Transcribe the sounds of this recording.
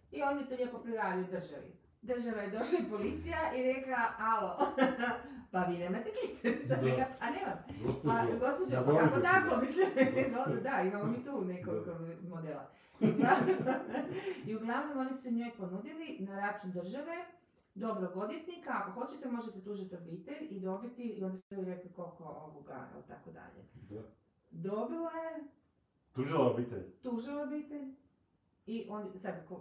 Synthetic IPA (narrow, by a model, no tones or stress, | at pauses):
io̞njet̪oʎepopɾiʋaiud̪r̩ʒaʋḭ | d̪r̩ʒaʋajed̪o̞ʃlaipolit̪sijaʔiɾe̞klaalo | paʋiːnemat̪ekit̪esad̪ɾeklaaneʋamaɡo̞spod͡ʑepakakot̪aklomislʲimezod̪ed̪aimamomiːt̪uːnekokoɡmod̪ela̰ | iuɡlˠaʋnom | iuɡlˠaʋno̞mo̞nisu̥seɲo̞jponuːd̪ilinaɾat͡ʃund̪r̩ʒaʋe̞ | d̪o̞bɾoɡod̪jet̪nikaxo̞t͡ɕet̪emo̞ʒet̪et̪uːʒit̪iobiːt̪eʎid̪o̞bit̪iiond̪suiliɾeklikolko̞oboɡa̰ḭlt̪a̰kod̪a̰ʎḛ | d̪o̞bilˠoje | t̪uʒiloobit̪ḛʎʲt̪uʒilobiːt̪eʎ | iʔonisad̪ko